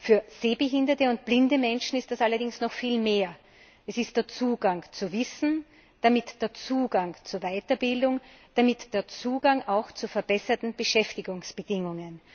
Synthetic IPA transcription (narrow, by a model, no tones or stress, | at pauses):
fyːɐz̥eːbəɦɪndɐtəʊnt̚b̥lɪndəmɛnʃn̩ɪstd̥asalɐdɪŋsnɔxfiːlmeːɐ | ʔɛsɪstd̥eːɐt͡suːɡaŋt͡suvɪsn̩ | d̥amɪtd̥eːɐt͡suːɡaŋt͡suːɐvaɪtɐbɪldʊŋ | d̥amɪtd̥eːɐt͡suːɡaŋaʊxt͡sufɛɐb̥ɛsɐtn̩b̥əʃɛftɪɡʊŋsb̥əd̥ɪŋʊŋən